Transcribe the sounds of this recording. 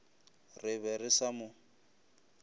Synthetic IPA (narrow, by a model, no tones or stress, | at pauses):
rɪβɛrɪsamʊ